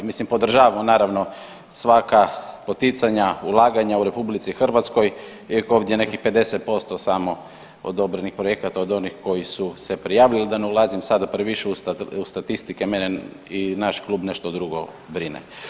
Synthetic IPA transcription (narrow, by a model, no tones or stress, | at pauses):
mislimpod̪r̩ʒaːʋamonaːɾaʋno̞ | sʋakapot̪it̪saɲaulˠaːɡaɲauɾe̞publit̪sixr̩ʋat̪sko̞j | ijakoːʋd̪jene̞kixpe̞d̪e̞set̪̚po̞st̪osamo | o̰d̪o̞bɾenixpɾoje̞kat̪aod̪o̞nixko̞jisuse̞pɾijaːʋlʎilid̪aneulazimsad̪apɾeʋiʃeusust̪at̪ist̪ikemenɛ | inaʃkluːbne̞ʃt̪od̪ɾuɡo̰ | bɾinḛ